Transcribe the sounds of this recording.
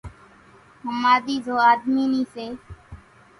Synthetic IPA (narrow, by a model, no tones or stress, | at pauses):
ɦəmaːd̪iːd͡ʒoːaːd̪miːniːseː